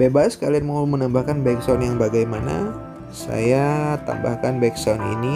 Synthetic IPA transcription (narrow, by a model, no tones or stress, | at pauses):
bebaskalianmaumənambahkanbajksanjaŋbaɡajmana̰ | sa̰jat̪a̰mba̰hkanbaksanḭni